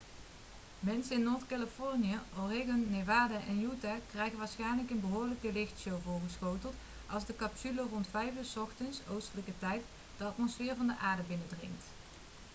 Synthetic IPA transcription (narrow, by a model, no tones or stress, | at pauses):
mɛnsənɪnːoːɹtkaləfɔɹnijəʔoreɣɔnːeʋaːdaʔɛnjutaːkrɛjɣənʋaːɹsχɛjnləkənbəɦoːɹləkəlɪxtsowvʊːɹχəsxowtəlˠt | ʔɑlˠzdəkɑpsylorɔntfɛjfyːsɔxtənsowstələkətɛjt | d̥əɑtmɔsfɪːɹvɑndəʔaːɹdəbɪnədrɪ̰ŋt